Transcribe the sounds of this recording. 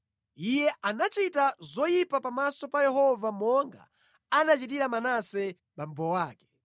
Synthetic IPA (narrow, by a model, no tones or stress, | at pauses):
ijɛʔanat͡ʃitazɔjipapamasɔpajɛhɔvamɔŋɡa̰ | anat͡ʃit̬iɾamanasɛ | ɓam̩bɔwaːkɛ̥